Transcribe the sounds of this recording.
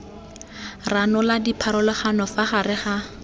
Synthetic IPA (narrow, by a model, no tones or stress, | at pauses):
ranɔladipʰaɾɔlɔχanɔfaχarɪχa